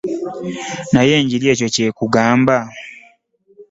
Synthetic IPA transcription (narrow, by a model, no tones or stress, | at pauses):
naje̞ːɲɟiɾje̞ːco̞cekuɡaːmba